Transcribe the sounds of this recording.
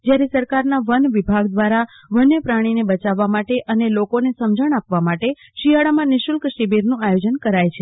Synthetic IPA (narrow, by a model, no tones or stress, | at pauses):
d͡ʒjaɾesəɾkaɾnaʋənʋibʱaɡd̪ʋaɾa | ʋənjəpɾaɽ̃inebət͡ʃaʋːamaʈeʔənelokonesəmd͡ʒəɳ̃apʋamaʈeʃiaɽamãnɪʃulkʃibiɾnũajod͡ʒənkəɾajt͡ʃʰe